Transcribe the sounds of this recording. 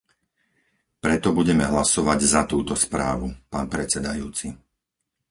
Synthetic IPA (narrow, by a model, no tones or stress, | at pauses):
pɾɛt̪ɔbuɟɛmɛɦlasɔʋaɟzat̪uːt̪ɔspɾa̰ːʋupaːnpɾɛt͡sɛd̪ajuːt͡si